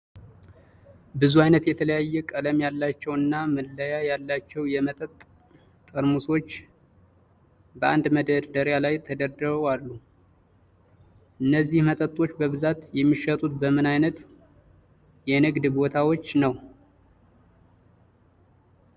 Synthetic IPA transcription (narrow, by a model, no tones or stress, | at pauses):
bɨzuajnət̪jɛt̪ʰələjajːɛkʼələmjalːat͡ʃːɛwɨnːamɨlːəjajalːat͡ʃːɛwjɛmət̪ʼət̪ːʼ | əɾmusot͡ʃː | bəʔa̰nd̪məd̪əɾd̪əɾjalajt̪ʰəd̪əɾd̪əβwalːu | ʔɨnːəzːihmət̪ʼət̪ʼːo̞t͡ʃːbəβɨzat̪jɛmːiʃət̪ʼut̪bəmɨnajnət̪ | jɛnɨɡd̪bo̞t̪ʰawo̞t͡ʃːnəw